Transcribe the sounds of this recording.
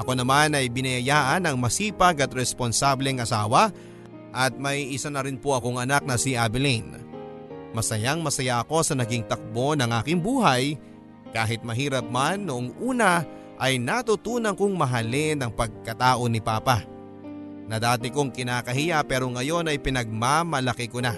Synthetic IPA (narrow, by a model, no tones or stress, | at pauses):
ʔɐko̞nɐmanɐjbɪnɐjɐjaːʔɐnɐŋmɐsiːpɐɡɐt̪ɾɛspo̞nsablɛŋʔɐsaːwɐ | ʔɐt̪̚mɐjiʔɪsanɐɾɪnpo̞ʔɐko̞ŋɐnak̚nɐsiʔabɪlin | mɐsɐjaŋmɐsɐjaʔɐko̞sɐnɐɡiŋt̪ɐk̚bo̞nɐŋʔaːkɪŋbuːɦɐj | kaːɦɪt̪̚mɐɦiːɾɐp̚manːoʔoŋʔuːnɐ | ʔɐjnɐt̪ut̪uːnɐŋkoŋmɐɦɐlɪnɐŋpɐɡ̚kɐt̪aːʔo̞nɪpaːpa | nɐd̪aːt̪̬ɪkoŋkɪnaːkɐɦɪjapɛːɾo̞ŋɐjo̞nɐjpɪnɐɡ̚mamɐlɐkɪkona